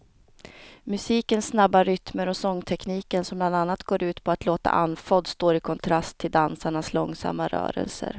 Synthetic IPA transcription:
mɵsiːkənsnabːaɾʏt̪məɾɔsɔŋːt̪ʰɛkniːkənsɔmbland̪anːat̪ɡ̥oːɾʉ̟ːt̪pʰɔat̪loːt̪a̰ʔanːfɔd̪st̪oːɾɪkʰɔnt̪ʰɾast̪ʰːɪld̪ansaɳaslɔŋːsa̰mːaɾœ̰ːɾə̰lsə̰ɾ

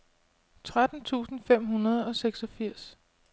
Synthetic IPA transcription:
t͡sʰʁad̥n̩t͡sʰṵːsn̩fem̰ɦunɐð̞ˠɒ̽seɡ̥sɒ̽fiɐ̰s

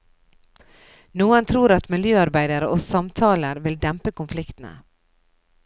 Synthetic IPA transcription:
nuːənt̪ʰɾuːɾɑt̪mɪljøːɑɾbæɪd̪əɾəʔoːsɑmt̪ʰɑːləɾʋɪld̪ɛmpəkʊnflɪkt̪n̩ə̰

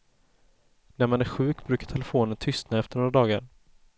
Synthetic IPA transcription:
næɾmanæɾɧʉ̟ːkbɾʉ̟ːkḁʈʰɛlɛfoːnənt̪ʰʏst̪naɛft̪əɳoːɾad̪ɑːɡa̰ɾ

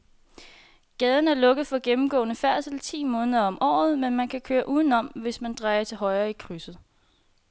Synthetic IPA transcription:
ɡ̥ɛːð̞ˠn̩æɐlɔ̽ɡ̥ð̩ˠfɒ̽ɡ̥emm̩ɡ̥ɔ̰̽ːnəfæɐ̰sl̩t͡sʰḭːmɔ̽ːnəðˠɐɒ̽mʔɒ̰ːð̞̩ˠmenmænkʰækʰøːɐʔuːðˠn̩ɒ̽m̰ʋe̝smænd̥ʁɑ̈ɪɐt͡sʰe̝ɦɒ̽ɪɐːikʰʁysð̩ˠ

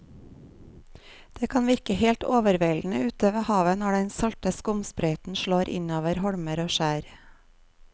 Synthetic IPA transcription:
d̪̥eːkʰɑːnʋɪɾkəheːlt̪oːʋəɾʋeːln̩əʉːt̪øːʋəhɑːʋənɔɖɛnsɑlt̪əskʊmspɾeɪt̪n̩ʃɭoːɾʔɪ̰noːʋəɾhɔɽməɾoːʃæːɾ

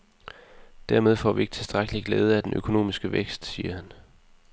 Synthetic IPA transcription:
d̥æɐ̰með̞ˠfɒ̰ːʋie̝ɡ̥ə̥t͡sʰe̝sd̥ʁaɡ̥əliɡ̥leːð̞ˠəæd̥enʔø̰kʰo̝no̝̰ːmisɡ̥əʋeɡ̥sd̥siːɐhæn

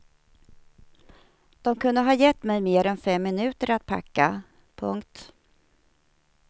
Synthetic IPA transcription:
d̪̥ɔmkʰɵnd̪əɦɑːjɛt̪ːmɛjmeːɾɛnfɛmːɪnʉ̟ːt̪əɾat̪̚pʰa̰kːa | pʰɵŋkt̪

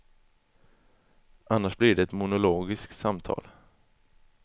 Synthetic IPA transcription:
ʔanːaʂblɪɖɛɛt̪mʊnʊloːɡɪskt̪samt̪ʰɑ̰ːl

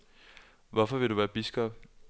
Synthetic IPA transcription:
ʋɒfɒʋe̝ɾuʋæːɐb̥isɡ̥ɒb̥̚

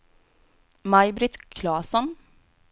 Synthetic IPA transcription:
mɑɪbɾɪt̪kʰlɑːsɔn

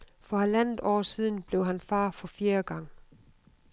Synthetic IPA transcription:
fɒ̽ælæn̰ð̩ˠɒ̰ːsið̞̰ˠn̩b̥le̝ʊɦænfɑ̰̈ːfɒ̽fiːɐɡ̥ɑ̈ŋ̰

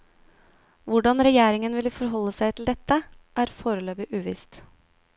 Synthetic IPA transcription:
ʋʊɖɑnɾɛjeːɾɪŋənʋɪlfɔɾɦɔlːəsæɪt̪ʰl̩d̪ɛt̪əʔæːɾfoːɾəløːbɪʔʉːʋɪ̰ːst̪

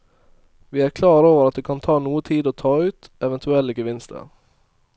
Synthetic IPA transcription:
ʋiːæːɾkʰlɑːɾoːʋəɾɑt̪̚d̪eːkʰɑnt̪ʰɑːnuːət̪ʰiːd̪oːt̪ʰɑːʉːt̪ɛʋɛnt̪ʰʉɛlːəɡəʋɪnst̪ʰə̰

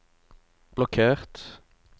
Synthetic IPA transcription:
b̥lɔkʰeːʁt̪

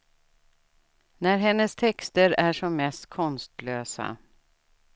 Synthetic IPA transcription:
næɾɦɛnːəst̪ʰɛkst̪əɾæʂɔmːɛst̪kʰɔnst̪løːsa̰

